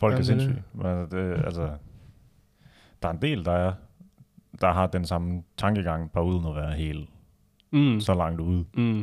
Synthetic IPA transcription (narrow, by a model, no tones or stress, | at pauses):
fɒ̽l̰ɡæse̝nsy̰menælsəd̥e̝ælsə | d̥ɑ̈ɐend̥e̝̰ːld̥ɑ̈æɐ | d̥ɑ̈ɦɑ̈d̥ensɑ̈mət͡sʰɑ̈ŋɡ̥əɡ̥ɑ̈ŋ̰b̥ɑ̈uð̞̰ˠnɒʋæːɐɦe̝̰ːl | sɒ̽lɑ̈ŋ̰d̥uð̰ˠ